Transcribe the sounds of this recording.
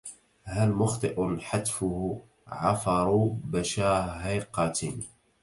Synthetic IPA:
halmʊxt̪ˤɨʔʊħat̪fʊh | ʕɑfɑɾˤubaʃaːɦajqɑt̪

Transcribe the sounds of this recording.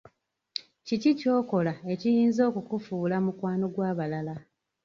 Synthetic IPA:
cicico̞ːko̞lae̞cijiːnzo̞ːkukufuːlamukwaːno̞ɡwaːβalala

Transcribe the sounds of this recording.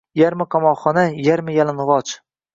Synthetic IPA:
jaɾmɪqʰɑmɒχɒnajaɾmɪjalɪnʁɒt͡ʃ

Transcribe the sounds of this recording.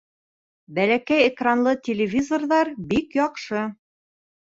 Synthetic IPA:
bælækæjekranlˠɤt̪ʲɪlʲɪvʲizorðɑɾbikjɒqʃɤ

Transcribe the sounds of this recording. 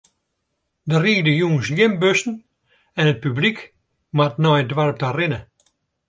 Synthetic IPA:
dəriːdəjuːnsjɪmbøsn̩ | ɛnət̚pyblik | matnɔjdwarp̚tarɪnə

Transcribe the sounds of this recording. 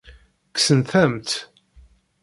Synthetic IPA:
ksənθæmt̪

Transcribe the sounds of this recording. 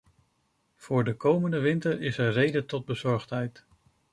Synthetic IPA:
v̥ʊːɹdəkowməndəʋɪntəɹɪsərejdətɔd̚bəzɔɹχtɦɛjt

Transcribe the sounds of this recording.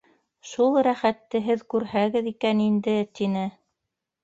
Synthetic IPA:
ʃulˠɾæχæt̪ːɘɦɘðkʉɾhæɡɘðikænind̪ɘt̪inɘ

